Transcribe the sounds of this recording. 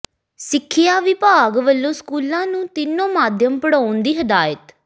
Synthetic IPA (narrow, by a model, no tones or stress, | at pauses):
sɪkʰːɪjaːʋɪpaːɡʋəlːõːskuːlãːnũːt̪ɪnːõːmaːd̪ʱjəmpəɽaːʊnd̪iːɦəd̪aːjət̪